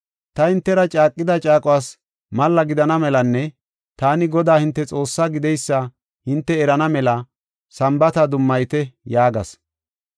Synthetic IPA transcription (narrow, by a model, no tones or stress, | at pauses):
t̪ɐhɪnt̪ːɛɾɐt͡ʃʼaːkʼːɪd̪ɐt͡ʃʼaːkʼʊwaːs | mɐlːɐɡɪd̪ɐnɐmɛlɐnːɛ | t̪aːnɪɡɔd̪aːhɪnt̪ːɛt͡sʼo̞ːsːaɡɪd̪ɛjsːɐ | hɪnt̪ːɛɛɾɐnɐmɛlɐ | sɐmbɐt̪ɐd̪ʊmːɐjt̪ɛjaːɡɐs